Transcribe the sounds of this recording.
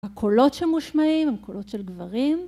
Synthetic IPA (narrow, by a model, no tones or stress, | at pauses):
hakʰolo̞tʃelmuʃmaimamkʰolo̞tʃelɡvaʁim